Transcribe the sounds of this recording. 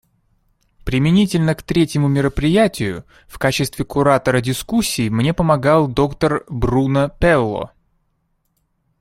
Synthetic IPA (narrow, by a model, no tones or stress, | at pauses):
pɾʲɪmʲɪnʲitʲɪlʲnəkt̪ɾʲetʲjɪmʊmʲɪɾəpɾʲɪjætʲɪjʊ̰ | fkat͡ɕɪst̪vʲɪkʊɾat̪əɾədʲɪskusʲːiːmnʲe̞pəmɐɡɑlˠd̪o̞kt̪ərbrunəpʲɛlˠːo̰